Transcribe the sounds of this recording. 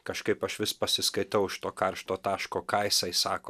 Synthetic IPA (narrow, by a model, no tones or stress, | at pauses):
kɐʃkɐɪpɐʃʋʲɪspɐsʲɪskɐɪt̪ɐʊɪʃt̪oːkɐrʃt̪oːt̪ɑːʃkoːkɐɪsɐɪsɑːkoː